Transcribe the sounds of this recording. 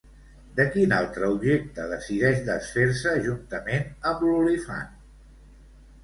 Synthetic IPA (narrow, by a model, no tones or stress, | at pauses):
d̪əkinalˠt̪ɾəubʒek̚t̪əðəsiðɛʃd̪əsfeɾsəʒunt̪əmenəmlulifa̰n